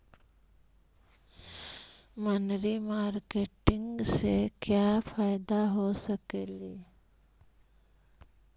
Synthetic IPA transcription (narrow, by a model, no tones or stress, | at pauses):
mənɾimaːɾkeːʈɪ̃ŋɡsekjafʰaːjd̪aɦosəkeːli